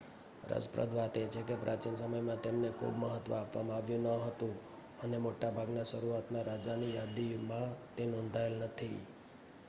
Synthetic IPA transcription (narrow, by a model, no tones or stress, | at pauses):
ɾə̰d͡ʒpɾə̰d̪ʱʋat̪et͡ʃʰekepɾʔat͡ʃinsəməjmãt̪emnekʰṵbməɦət̪ʋəapʋamãaʋjũnəɦət̪ũ | ənemoʈabʱaɡnaʃəɾuat̪naɾad͡ʒanijad̪imãt̪enɔ̃nd̪ʱaelnət̪ʰḭ